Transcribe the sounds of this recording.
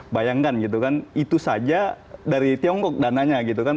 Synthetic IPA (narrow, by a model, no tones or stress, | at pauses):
bajaŋkanɡit̪̬ukanit̪usad͡ʒa | daɾit̪iɔŋkɔk̚danaɲaɡit̪ukan